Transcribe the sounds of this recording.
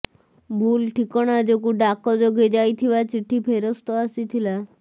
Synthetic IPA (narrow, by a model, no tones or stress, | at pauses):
bʱuːlʈʰikɔɽ̃ad͡ʒekuɖakɔd͡ʒoɡʱed͡ʒajt̪ʰiʋat͡ʃiʈʰːipʰeɾɔst̪ɔasit̪ʰila